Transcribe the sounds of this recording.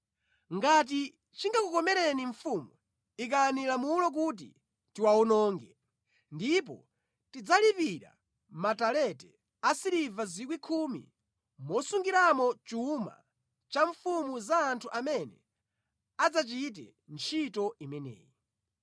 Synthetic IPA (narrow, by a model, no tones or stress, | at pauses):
ŋɡat̬i | t͡ʃiŋɡakukɔmɛɾɛniɱfumu | ik̬anilamulɔk̬ut̬ḭ | tiwaɔnɔːŋɡɛ | ndip̬ɔ̰ | tid͡zalipiɾa̰ | matalɛtɛ | asiɾivazikwikʰumḭ | mɔsuŋɡiɾamɔt͡ʃuma̰ | t͡ʃaɱfumuzaːntʰuʔamɛnɛ̰ | ad͡zat͡ʃit̬ɛ̰ | nt͡ʃʰitɔimɛnɛ̰ːji